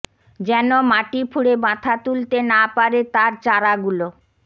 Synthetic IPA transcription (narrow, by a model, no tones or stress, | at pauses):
d͡ʑɛnomaʈipʰuɽebãt̪ʰat̪ult̪enapaɾet̪aɾt͡ɕaɾaɡulo